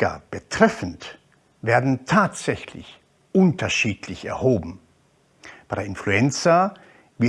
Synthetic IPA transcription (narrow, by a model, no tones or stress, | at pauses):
a̰b̥ətʁ̥ɛfn̩t | veːɐdn̩tʰaːtz̥ɛçlɪ̰ç | ʔʊntɐʃiːtlɪçɛ̰ɐhoːbm̩ | b̥aɪdɐɪnfluɛnt͡sɐ | vɪ